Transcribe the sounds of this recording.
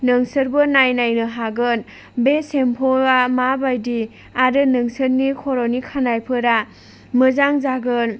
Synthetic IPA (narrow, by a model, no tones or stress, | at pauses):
nɯŋsɯɾbɯnajnajnɯɦaɡɯn | besempʰɔamabajdi | aɾɯnɯŋsɯɾnikʰɔɾɔnikʰanajpʰɯɾa | mɯzaŋzaɡɯn